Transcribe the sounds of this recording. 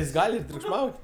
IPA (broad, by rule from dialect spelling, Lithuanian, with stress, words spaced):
jɪs ˈɡɐlʲ ɪr tʲrʲʊkʃˈmɐʊtʲ